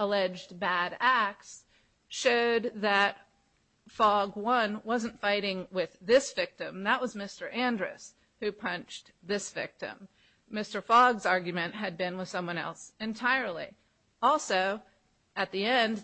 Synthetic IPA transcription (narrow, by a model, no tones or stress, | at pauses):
əlɛd͡ʒbæɾæk̚ts | ʃoʊd̪̚ðɨt̚ | fɔɡwʌ̃nwʌzɨ̃n̩tfaɪɾɪ̃ŋwɪðɪsv̥ɪk̚tɨ̃mðəʔ̚wʌzmɪstə˞ʔæ̃ndɹɨ̰s | hʉpʰʌ̃nt͡ʃ | ðɪsv̥ɪ̰k̚tɨ̰̃mː | ɪstə˞fɔɡzɑɹɡjɨmɨ̃nʔɦɨd̚bɨ̃nwəð̥sʌ̃mwʌ̃nɛ̰lˠsɨ̃ntʰaɪə˞lˠḭ | ɔlˠsoʊ | ɨt̪̚ðiɛ̃nd